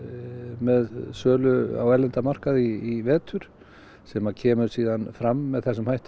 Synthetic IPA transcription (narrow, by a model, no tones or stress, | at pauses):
mɛðsœːlʏa̰wɛɾlɛnt̪amar̥kaðiːvɛːt̪ʰʏɾ̥ | sɛːmacʰɛːmʏ̥siːðanfɾamːɛðθɛsʏmhajht̪